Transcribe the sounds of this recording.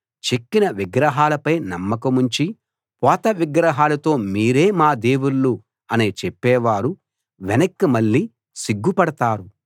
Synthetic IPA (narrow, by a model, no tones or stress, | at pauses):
t͡ʃekːinɐʋiɡɾɐɦaːlɐpɐjnɐmːɐkɐmuɲt͡ʃi | pɔːt̪ɐʋiɡɾɐɦaːlɐt̪o̞ːmiːɾe̞ːmaːd̪e̞ːwuɭːu | ɐneːt͡ʃɛpːɛːʋaːɾu | ʋɛnɐkːɐmɐɭːi | siɡːupɐɽɐt̪aːɾu